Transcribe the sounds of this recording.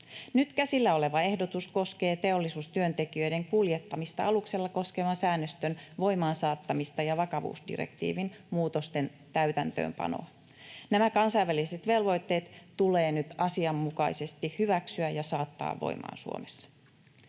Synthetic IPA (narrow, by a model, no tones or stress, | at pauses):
nyt̪kæsilːæole̞ʋɑe̞hdo̞t̪usko̞ske̞ːt̪e̞o̞lːisuːst̪yønt̪e̞kiø̞jde̞ŋkuljet̪ːɑmist̪ɑɑlukse̞lːɑko̞skeʋɑnsæːnːøst̪ønʋo̞jmɑːnsɑːt̪ːɑmist̪ɑjɑʋɑkɑʋṵːsdḭrḛk̚t̪ḭːʋinmuːt̪o̞st̪e̞n | t̪æyt̪ænt̪ø̰ːmpɑ̰no̰ɑ | næmækɑnsɑjʋːæliset̪ʋe̞lʋo̞jt̪ːe̞ːt̪ːule̞ːnyt̪ɑsiɑmːukɑjse̞st̪ihyʋæksyæjɑsɑːt̪ːɑ̰ːʋːo̰jmɑ̰ːnsṵo̰mesːɑ̥